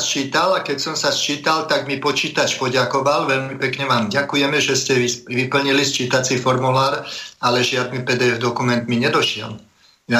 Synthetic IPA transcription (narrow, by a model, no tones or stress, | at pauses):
st͡ʃiːt̪alakɛcsɔmsast͡ʃiːt̪alt̪aɡmipɔt͡ʃiːt̪at͡ʃpɔɟakɔʋalʋɛʎmipɛkɲɛʋaːmɟakujɛmɛʒɛscɛiʋipl̩ɲilist͡ʃiːt̪at͡sifɔɾmulaːɾalɛʒɪad̪nipɛːd̪ɛːɛvd̪ɔkumɛnt̪miɲɛd̪ɔʃɪɛ̰l | ja